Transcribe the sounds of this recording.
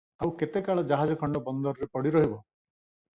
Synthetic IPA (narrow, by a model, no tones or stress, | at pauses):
awket̪ekaɭɔd͡ʒaɦad͡ʒɔkʰɔɳɖɔbɔnd̪ɔɾɔɾepɔɽiɾɔɦibɔ